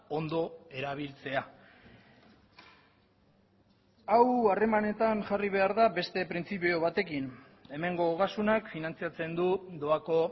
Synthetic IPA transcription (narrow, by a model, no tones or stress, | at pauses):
o̞nd̪o̞e̞ɾaβ̞ilt͡se̞a | aware̞mane̞t̪anʝariβ̞e̞aɾðabe̞st̪e̞pɾint͡sipio̞β̞at̪e̞kin | e̞me̞ŋɡo̞ːɣasunakfinant͡siat͡se̞nd̪ud̪oako̞